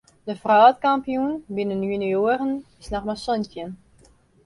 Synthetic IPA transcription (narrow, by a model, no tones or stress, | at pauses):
dəfraːtkampijunbinənjynioərənɪsnɔxmasɔntjən